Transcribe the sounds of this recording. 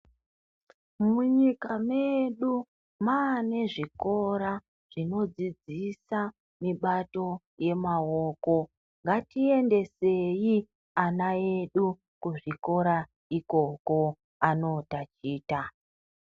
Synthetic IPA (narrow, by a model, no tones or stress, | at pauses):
muɲikame̞ɗu | maːne̞ʐiko̞ɾa | ʐ̥ino̞d͡zid͡zisa | miɓato̞ | je̞maoːko̞ | ŋɡatie̞nde̞se̞ji | anae̞ɗu | kuʐiko̞ɾa | iko̞ko̞ | ano̞tat͡ʃiːta